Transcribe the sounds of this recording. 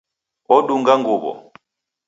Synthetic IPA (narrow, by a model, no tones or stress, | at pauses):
ɔɗuŋɡaŋɡuɓɔ̰